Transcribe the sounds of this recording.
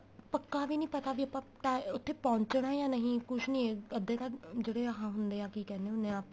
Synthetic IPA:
pəkːaːʋiːnĩːpət̪aːʋiːəpãːʈaːʊt̪ʰːeːpɔ̃ːɲt͡ʃɽaːjãːnəɦĩːkʊʃʰnĩːeəd̪eːt̪ad͡ʒeːɽeːəɦãːɦʊnd̪eːãːkiːkɛːneːʊnːẽːaːp

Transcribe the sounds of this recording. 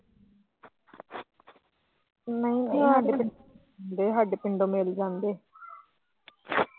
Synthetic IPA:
nəĩːneɦəɖpɪɳo | nd̪eːɦəɖpɪɳɖõːmeːld͡ʒãːnd̪eː

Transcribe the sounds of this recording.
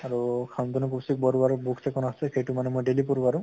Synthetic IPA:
aɹukʰant̪ɔnupusik̚bɔɾubaɹbuksɛkɔnasɛxejʈumanɛmojɖelipɔɾubaɹũ

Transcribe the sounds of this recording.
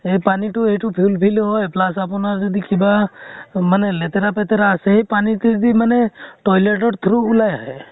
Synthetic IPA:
epaniʈueʈupʰjulpʰilɦɔjplasapɔnaɾd͡ʒɔd̪ikiba | manelet̪eɾapet̪eɾaseɦipaniʈ̪id̪imaneʈɔjleʈ̬ɔɖt̪ʰɾuːlajɦa

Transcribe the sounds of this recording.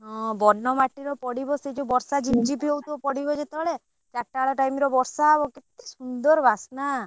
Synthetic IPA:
ɦɔ̃bɔnːɔmaʈiɾɔpɔɽibɔsed͡ʒubɔɾsad͡ʒibd͡ʒibʱewt̪uɔpɔɽibɔd͡ʒet̪eɦɔɭe | t͡ʃaʈːaɭɔʈajmiɾɔbɔɾsabɔket̪e̥sund̪ɔɾbʱasna

